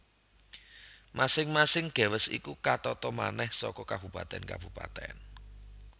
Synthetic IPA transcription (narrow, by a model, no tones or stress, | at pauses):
mʔasɪŋmasɪŋɡ̥a̤wəsḭkukat̪ɔt̪ɔma̰nɛhsɔkɔkab̥upat̪ɛ̰nka̰b̥ṳpa̰t̪ɛ̰n